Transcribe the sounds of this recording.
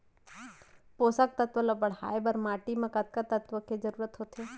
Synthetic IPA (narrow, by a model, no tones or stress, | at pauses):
posak̚t̪ət̪ʋələbəɽha̰ːjbəɾmaːʈimãkət̪̚kat̪ət̪ʋəked͡ʒəɾuːɾət̪ɦot̪ʰe